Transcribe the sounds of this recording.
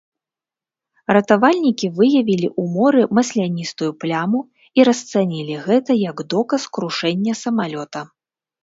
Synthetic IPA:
rɐt̪avalʲnʲikʲivɨjɐvʲilʲiʔumɔɾɨmɐsʲlʲanʲist̪ujuplʲamu | iɾɐst̪sanʲilʲiɣɛt̪ɐjɐɡd̪ɔkɐskɾuʂɛnʲːɐsɐmalʲɔt̪ɐ

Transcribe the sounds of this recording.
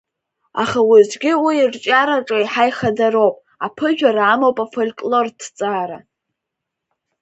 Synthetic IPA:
aχawizɡʲɪwiːrt͡ʃʼaɾaʈ͡ʂʼaiħajχadaɾowpʼ | apʰɨʒᶣaɾaːmowpʼafolʲkʼlo̞rtʰt͡sʼaːɾa

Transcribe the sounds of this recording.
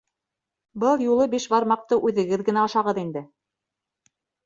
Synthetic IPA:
bɤlˠjulˠɤbiʃbɑɾmɑq̚t̪ɤʔʉðɘ̆ɡɘðɡɘ̆næɑʃɑʁɤðind̪ɘ

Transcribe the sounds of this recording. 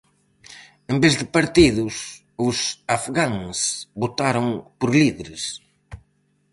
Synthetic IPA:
ẽmbezðɪpaɾt̪iðʊs | ʊsafɣaŋsbot̪aɾõŋpoɾliðeɾɪs

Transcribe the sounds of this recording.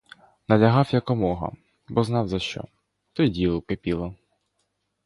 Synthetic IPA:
nɐlʲɐɦɑwjɐkɔmɔɦɐ̰ | bɔznɑwzɐʃt͡ʃɔ̰ | t̪ɔjdʲilˠʊkepʲilˠɐ

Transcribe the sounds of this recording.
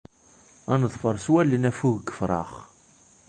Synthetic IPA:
ænəðˤfəɾˤswælːənæfuʝɡːəfɾˤɑ̰χ

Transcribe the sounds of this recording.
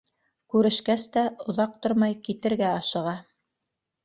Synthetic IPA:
kʉɾɘ̆ʃkæst̪æŏðɑq̚t̪oɾmɑjkit̪ɘ̆ɾɡæɑʃɤ̆ʁɑ

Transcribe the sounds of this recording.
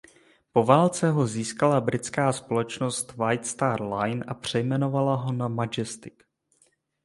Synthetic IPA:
po̞vaːlt͡sɛɦo̞ziːskalabɾɪt͡skaːspo̞lɛt͡ʃno̞st̪vajt̪st̪aɾlajnʔapr̝̥ɛjmɛno̞valaɦo̞namad͡ʒɛst̪ɪk

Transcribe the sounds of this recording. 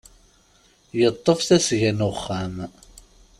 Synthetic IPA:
jət̪ˤːəfθæsʝænʊχːam

